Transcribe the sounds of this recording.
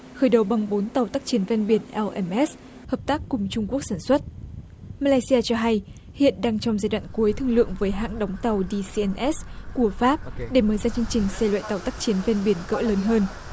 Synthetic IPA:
xəː˧˩jɗə˨˩wɓa˨˩ŋɓo˨˦nt̪a˨˩wt̪aː˦˥k̚t͡ɕi˨˦ənvɛ˧nɓi˧˩ənʔɛ˧lʔɛ˧mʔɛ˦˥s | həː˨˩p̚t̪aː˦˥kːʊ˨˩ŋ͡mt͡ɕʊ˧ŋ͡mku˦˥ək̚saː˧˩nswə˦˥t̚ | maː˧la˧jsi˧aː˧t͡ɕɔ˧ɦa˧j | hḭ˧˨ənɗaː˧ŋt͡ɕɔ˧wŋ͡mzaː˧jɗwa̰ː˧˨nku˨˦əjt̪ʰɨ˧əŋlɨ̰˧˨əŋvəː˨˦jɦa̰ː˧˨ŋɗa˨˦wŋ͡mt̪a˨˩wɗi˧si˧ʔɛ˧nʔɛ˦˥sku˧˩əfaː˦˥p̚ɗe˧˩məː˧˩jzaː˧˩t͡ɕɨ˧əŋt͡ɕï˨˩ŋ̟sɛ˧jlwa̰ː˧˨jt̪a˨˩wt̪a˦˥k̚t͡ɕi˨˦ənvɛ˧nɓi˧˩ənkə̰ː˧˥ləː˨˦nɦəː˧n

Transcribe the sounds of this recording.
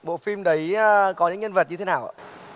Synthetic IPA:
ɓo̰˧˨fi˧mɗə˨˦jkɔ˨˦ɲɨ̰˧˥ŋɲə˧nvə˨˩t̚ɲɨ˧t̪ʰe˨˦naː˨˩wʔa̰ː˨˧˩

